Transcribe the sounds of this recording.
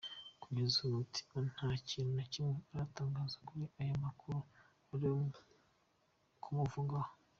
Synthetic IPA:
kuɟezuutʰi̥on̥haːciːnunacimŋeaɾataːŋɡaːzakuɾiʔajomakuɾu | aɾi | kʰumuvuɡaho

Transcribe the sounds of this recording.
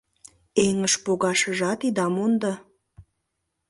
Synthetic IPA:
eŋəʃpoɣɑʃə̆ʒɑt̪id̪ɑmond̪ɑ

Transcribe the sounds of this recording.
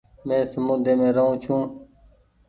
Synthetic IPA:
mẽːsəmuːd̪ʱeːmẽːɾəɦũːt͡ʃʰũː

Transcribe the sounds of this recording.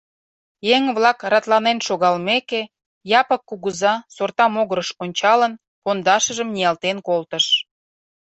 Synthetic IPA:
jeŋβlɑkɾɑt̪lɑnenʃoɣɑlmeke | jɑpəkːuɣuzɑsort̪ɑmoɣəɾəʃonʲt͡ɕɑlən | pond̪ɑʃəʒəmnijɑlt̪enkolt̪əʃ

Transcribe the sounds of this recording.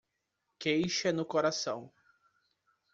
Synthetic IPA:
kejʃɐnʊkoɾasɐ̃w̃

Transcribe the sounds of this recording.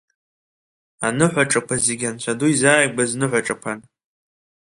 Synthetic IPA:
anɨħʷaʈ͡ʂʼakʷʰazeɡʲant͡ʃʷʰaduizaːjɡʷaznɨħʷaʈ͡ʂʼakʷʰan

